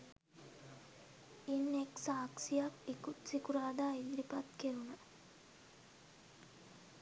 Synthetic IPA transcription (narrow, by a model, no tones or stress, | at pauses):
inːeksaːksijakekut̪sikuɾaːd̪aːid̪ɾipat̪keɾunə